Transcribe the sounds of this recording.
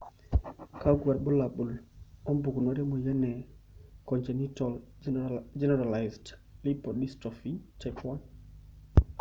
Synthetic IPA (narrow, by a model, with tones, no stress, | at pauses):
ka˦ɡwa˨ɾɓɔ˦la˨ɓu˨lɔ˦mbu˨ku˨nɔ˦ɾɛ˦mɔ˨jɛ˦nɛ˨kɔ˨nt͡ʃɛ˨ni˦tɔ˨l | d͡ʒɛ˦nɛɾa˨lajzdli˦pɔ˨di˦stɔ˨fi˦tɛkwa˦n